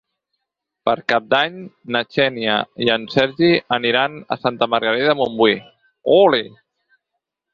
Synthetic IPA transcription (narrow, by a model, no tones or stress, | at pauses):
pəɾkap̚d̪aɲ | nat͡ʃɛniə̰iənsɛɾʒiəniɾanə̰sant̪əməɾɣəɾɛðəmumbwi | ole